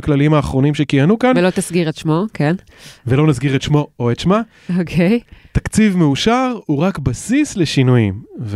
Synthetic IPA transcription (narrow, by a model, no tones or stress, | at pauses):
klalimaːχʁo̞nimʃekijanukanvelot̪asɡiʁetʃmo̞kʰen | velo̞nasɡiʁetʃmo̞oetʃma | okʰejtakt͡sivmeuʃaʁuʁakbasisle̞ʃinujḭmv